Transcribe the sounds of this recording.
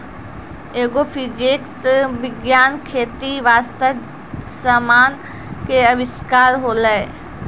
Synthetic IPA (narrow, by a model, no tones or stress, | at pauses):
eːɡofʰid͡ʒeːksʋɪɡjaːnkʰeːt̪iʋaːst̪ə | səmaːn | keɐʋɪʃkaːɾɦoːləe